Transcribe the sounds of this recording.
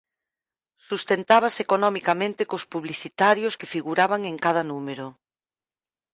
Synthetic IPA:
sust̪ent̪aβ̞asekonɔmikamẽnt̪ekospuβliθit̪aɾjoskefiɣuɾaβaŋeŋkað̞ɐnumeɾo

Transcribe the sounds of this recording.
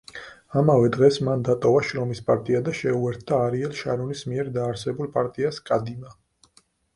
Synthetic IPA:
amavɛd̪ʁɛsmand̪at̪ʼɔvaʃɾɔmispʼaɾt̪ʼiad̪aʃɛuɛɾt̪ʰd̪aːɾiɛlˠʃaɾunismiɛɾd̪aːɾsɛbulˠpʼaɾt̪ʼiaskʼad̪ima

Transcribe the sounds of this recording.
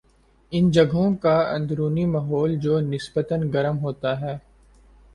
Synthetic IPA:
ɪnd͡ʒɐɡʱɦõkaɐ̰̃nd̪ɾuːnimɐɦɔːld͡ʒoːnɪsbət̪ənɡɐɾəmɦoːt̪aɦɛː

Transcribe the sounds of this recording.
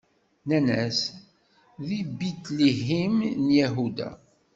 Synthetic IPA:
nænæs | ðibit̪liɦimnjæɦud̪æ̰

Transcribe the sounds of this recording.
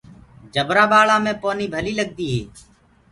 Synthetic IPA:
d͡ʒəbɾãːɓaːɭãːmẽːpoːniːbʱəliːləɡ̚d̪iːɦḛː

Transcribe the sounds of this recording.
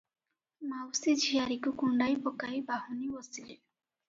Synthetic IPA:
mawsid͡ʒʱijaɾikukuɳɖajbɔkajbaɦɔnibɔsile

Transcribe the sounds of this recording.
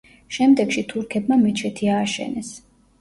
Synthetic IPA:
ʃɛmd̪ɛɡʃit̪ʰuɾkʰɛt̪̚ʰmamɛt͡ʃʰɛt̪ʰiaːʃɛ̰nɛs

